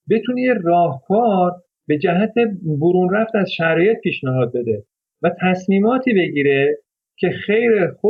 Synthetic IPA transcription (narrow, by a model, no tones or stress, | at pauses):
be̞t̪ʰunejerɒːhkʰɒːɾ | be̞d͡ʒæɦæt̪ʰe̞boɾuːnræft̪æzʃæɾɒːje̞t̪̚piːʃnæɦɒːd̪̚be̞d̪e̞ | væt̪ʰæsmiːmɒːt̪ʰiːbe̞ɟiːɾe̞ | cʰe̞xe̞jɾexo